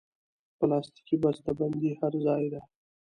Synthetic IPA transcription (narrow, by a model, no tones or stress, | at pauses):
pəlɑst̪i̥kibast̪aband̪ihaɾzɑjd̪a